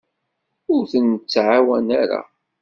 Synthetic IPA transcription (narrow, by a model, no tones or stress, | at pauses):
ʊɾθənt͡sːʕawænaɾa̰